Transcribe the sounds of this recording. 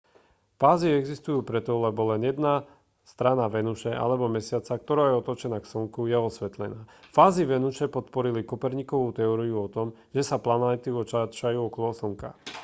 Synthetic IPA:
faːziɛɡzist̪ujuːpɾɛt̪ɔlɛbɔlɛnjɛd̪na | st̪ɾanaʋɛnuʃɛʔa̰lɛbɔmɛsɪat͡sak̚t̪ɔɾaːjɛɔt̪ɔt͡ʃɛnaːksɔŋkujɛɔsʋɛt̪lɛnaːfaːziʋɛnut͡ʃɛpɔt̪pɔɾilikɔpɛɾɲikɔʋut̪ɛɔɾiuɔt̪ɔm | ʒɛsaplanat̪iɔt͡ʃat͡ʃajuːɔkɔlɔsɔŋka̰

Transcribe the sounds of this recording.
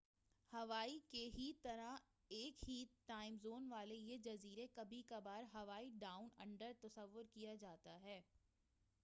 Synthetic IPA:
hɐʋaːikeɦit̪ɐɾa | eːkɦiːt̪ʈaːɪ̃mzoːnʋaːlejed͡ʒɐziːɾekɐbʱikabaːɾɦɐʋaːiɖaːʊnɐ̰̃ɳɖəɾt̪ɐsəʋːʊɾkijad͡ʒaːt̪aɦɛː

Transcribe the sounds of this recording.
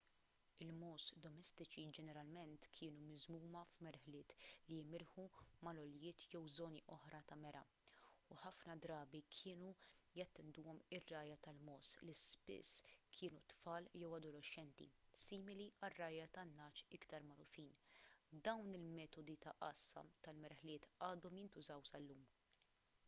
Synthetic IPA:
ɪlmɔːsd̪ɔmɛst̪ɪt͡ʃid͡ʒɛnɛɾɐlmɛnt̪kʰɪːnumɪzmuːmɐfmɛɾħlɪːt̪limɪɾħumɐlɔljɪːt̪jɛwzɔːniʔɔħɾɐt̪ɐmɛɾʔɐ̰ | uħɐfnɐd̪ɾɐːbikʰɪːnujɐt̪ːɛnd̪uːɔmɪrːɐːjɐt̪ɐlmɔːslispɪ̰sːkʰɪːnut̪fɐːljɛwɐd̪ɔlɔʃːɛnt̪ḭsiːmɪliɐrːɐːjɐt̪ɐnːɐːt͡ʃɪkt̪ɐɾmɐɾʊfiːnd̪ɐwnɪlmɛːt̪ɔd̪it̪ɐʔɐsːɐ̰t̪ɐlmɛɾħlɪːt̪ɐːd̪ɔmjɪnt̪ʊzɐwsɐlːuːm

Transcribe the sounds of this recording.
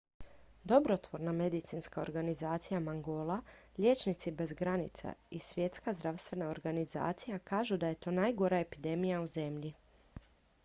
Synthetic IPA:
d̪o̞bɾot̪ʋo̞ɾname̞d̪it̪sinskao̞̰ɾɡanizaːt̪sijamaŋɡo̞ːlˠaʎe̞ːt͡ʃnit̪sibe̞zɡɾanḭt̪sa̰isʋʲje̞t̪skazd̪ɾaʋst̪ʋe̞nao̞ɾɡaniza̰ːt̪sijakaːʒud̪aje̞t̪o̞ːnajɡo̞ɾaepid̪e̞mijauze̞mʎi

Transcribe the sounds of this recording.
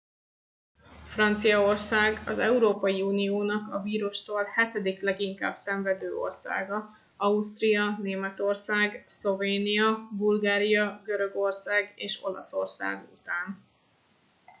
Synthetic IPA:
frɒnt̪sijɒorsaːɡɒzɛuɾoːpɒjiuːnijoːnɒkɒviːɾuʃt̪oːlhɛt̪ɛd̪iklɛɡiŋka̰ːb̥sɛɱvɛd̪øːo̞̰rsa̰ːɡɒ | ɒust̪rijɒneːmɛt̪o̞rsaːɡslo̞veːnijɒbulɡaːɾijɒɡøɾø̞ɡo̞rsaːɡeːʃo̞̰lɒ̰so̞̰rsa̰ːɡṵt̪aːn

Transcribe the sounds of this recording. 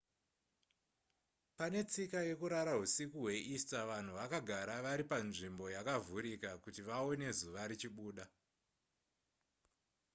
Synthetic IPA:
pane̞t͡sikaje̞kuɾaɾaɦusikuɦwe̞ʔistaʋan̤uʋakaɡʱaɾaʋaɾipanʐimbo̞jakavuɾikakutiʋao̞ne̞zuʋaɾit͡ʃiɓuːɗa

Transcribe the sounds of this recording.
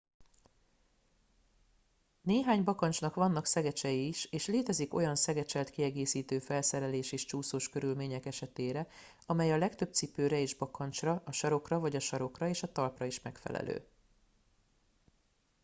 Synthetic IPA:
neːɦaːɲbɒkɒnt͡ʃnɒkvɒnːɒksɛɡɛt͡ʃɛjiːʃeːʃleːt̪ɛziko̞jɒnsɛɡɛt͡ʃɛlt̪kiɛɡeːsiːt̪øːfɛlsɛɾɛleːʃeːʃt͡ʃuːsoːʃkø̞ɾylmeːɲɛkɛʃɛt̪eːɾɛ | ɒmɛjɒlɛkt̪ø̞b̚t̪sipøːɾɛeːʒbɒkɒnt͡ʃrɒʔɒʃɒɾo̞krɒvɒɟɒʃɒɾo̞krɒeːʃɒt̪ɒlprɒiʃmɛkfɛ̰lɛ̰lʔø̰ː

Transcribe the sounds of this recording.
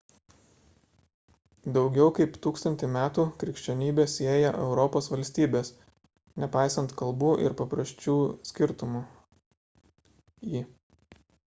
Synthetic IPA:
d̪ɒʊɡʲɛʊkɐɪpt̪uːkst̪ɐnʲt̪ʲɪmʲæːt̪uːkɾʲɪkʃʲt͡ʃʲɛnʲiːbʲeːsʲeːjɛʔɛʊɾɔpoːsʋɐlʲsʲt̪ʲiːbʲeːs | nʲɛpɑɪsɐnt̪kɐlˠbuːʔɪ̰ɾpɐpɾɐsʲt͡ʃʲuːsʲkʲɪɾt̪ʊmu | iː

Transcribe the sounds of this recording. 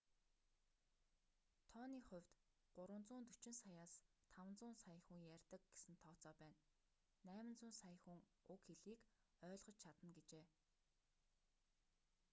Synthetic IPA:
t̪ʰɔːniːχʊ̟w̥ʲt̪ | ɢ̥ʊɾwə̆nt͡sʊːnt̪ɵt͡ɕɪ̆nsajaːst̪ʰawnt͡sʊːnsajə̆xuŋjærʲt̪ə̆k̚ɡesɘ̆nt̪ʰɔːt͡sɔːpæːnː | æːmɘ̆nt͡sʊːnsaj̆xuŋ | ʊkxeɮiːk | œːɮʁɞ̆t͡ɕt͡ɕʰat̪ə̆nɡet͡ɕeː

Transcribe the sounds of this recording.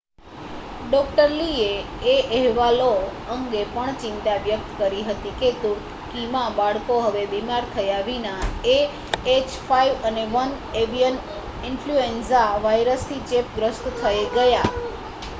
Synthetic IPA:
ɖɔk̚ʈəɾlieːʔəɦʋaloəŋɡepəɳt͡ʃɪ̃nt̪aʋjək̚t̪kəɾiɦət̪iket̪ũ | kimãbaɭkoɦəʋebimaɾt̪ʰəjaʋinae | et͡ʃfʰaiʋəneʋən | eʋijən | ɪnfluensaʋajɾəst̪ʰit͡ʃepɡɾəst̪t̪ʰəjɡəja

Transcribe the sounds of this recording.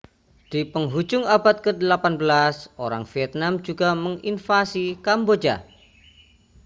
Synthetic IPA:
d̥ipəŋɦud͡ʒʊŋabat̪̚kədəlapanbəlasoɾaŋfiɛt̪̚namd͡ʒuɡaməŋinfasikambod͡ʒa̰

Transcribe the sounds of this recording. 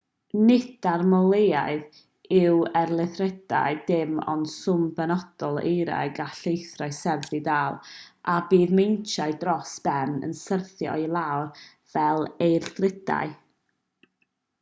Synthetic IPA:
nɪdarmɔlˠejaɨð | ɪwɛrlˠɪθrɛd̥a̰ɨdɪmɔ̰nsʊmbɛnɔd̥ɔlˠḛjɾa̰ɡaɬejθraɨsɛrθidaːlˠʔabiːðmejnt͡ʃʰaɨdrɔsb̥ɛnə̰nsərθjɔ̰jlˠawr | v̥ɛlˠejrθrɪd̥a̰ɨ

